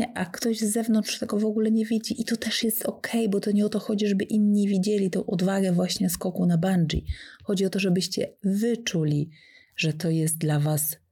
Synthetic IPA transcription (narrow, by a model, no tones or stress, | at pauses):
ɛʔakt̪ɔʑzːɛvnɔntʂt̪ɛɡɔvɔɡulɛɲɛvʲid͡ʑiʔit̪ɔt̪ɛʂjɛst̪ɔkʰɛjbɔt̪ɔɲɛɔt̪ɔxɔd͡ʑiʐɛbɘʔinɲivʲid͡ʑɛlʲit̪ɔ̃w̃ʔɔd̪vaɡɛvwaɕɲɛskɔkunaband͡ʐḭxɔd͡ʑiɔt̪ɔʐɛbɘɕt͡ɕɛ̰vɘt͡ʂulʲi | ʐɛt̪ɔjɛs̬t̪̚d̪lavas